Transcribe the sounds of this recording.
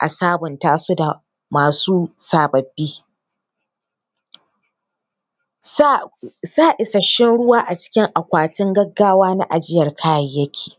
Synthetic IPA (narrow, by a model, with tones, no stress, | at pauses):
ʔa̰˨saː˦bʊ˨ntaː˦su˦da˨ | maː˨suː˦saː˨bɐ˨bːiː˦ | saː˦ʔɪ˨sɐ˨ʃɪ˦nɽʊ˦waː˦ʔa˨t͡ʃɪ̥˦kʲɪ˦ŋʔa˨kʷaː˨tɪ˦ŋɡɐ˦ɡːaː˦waː˦na̰˦ʔa˨d͡ʒɪ˦jɐ˨rkʰaː˦jɐ˨jːɐ˦kʲʰe̥ː˨